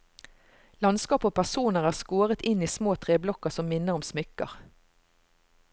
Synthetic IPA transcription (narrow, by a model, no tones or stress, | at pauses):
lɑnskɑːpoːpʰæʁsuːnəʁæːʁskoːʁət̪ɪniːsmoːt̪ʰʁeːblɔkəʁsɔmmɪnəʁɔmsmʏkə̰ʁ